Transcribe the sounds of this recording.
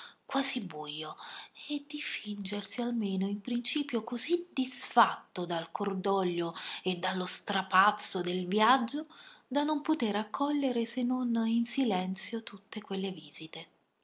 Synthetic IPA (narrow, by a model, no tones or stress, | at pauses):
kwaːzibujːoed̪ifind͡ʒersialmeːnoimpɾint͡ʃiːpjokozid̪isfat̪ːod̪alkʰord̪ɔʎːoed̪ːalːost̪ɾapat̪sːod̪elvjad͡ʒːod̪anompot̪eɾakʰːɔʎːeɾesenːoninsilɛnt̪sjot̪ut̪ːekwelːeviːz̥it̪e